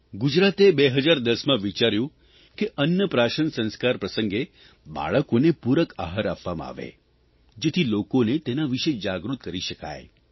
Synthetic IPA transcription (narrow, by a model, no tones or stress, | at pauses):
ɡud͡ʒɾat̪ebeɦəd͡ʒaɾd̪əsmãʋit͡ʃaɾjũ | keʔənjəpɾaʃənsə̃nskaɾpɾəsəŋɡe | ba̰ɭəkonepuɾəka̰ɦəɾapʋamã̰a̰ːʋḛ | d͡ʒet̪ʰilokonet̪enaʋiʃed͡ʒaɡɾut̪̚kəɾiʃəka̰e